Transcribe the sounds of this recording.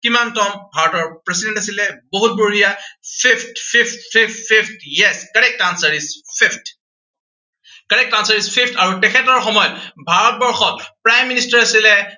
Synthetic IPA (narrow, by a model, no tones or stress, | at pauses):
kimantɔmbʱaɹɔtɔɹpɹɛsidɛntasilɛboɦut̚boɦijapʰipʰtpʰiptpʰippʰipʰtjɛskaɹɛk̚tansaɹispʰipt | kaɹɛk̚tansaɹispʰipʰtaɹutɛkʰɛtɔɹxɔmɔjɔtbʱaɹɔt̚bɔɹxɔt̚pɹajmːinistaɹasilɛ